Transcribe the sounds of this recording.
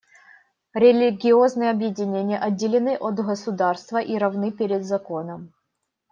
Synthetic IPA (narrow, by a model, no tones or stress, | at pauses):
ɾʲɪlʲɪɡʲɪoznɨjəɐbjɪdʲɪnʲenʲɪjəʔɐdʲːɪlʲɪnɨʔot̪ɣəsʊd̪arst̪vəʔiɾɐvnɨpʲeɾʲɪd̪zɐko̞nəm